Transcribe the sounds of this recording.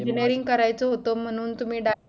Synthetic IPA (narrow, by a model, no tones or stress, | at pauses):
ineɾiŋɡkəɾajt͡soɦot̪om̤əɽ̃uːnt̪um̤iːɖa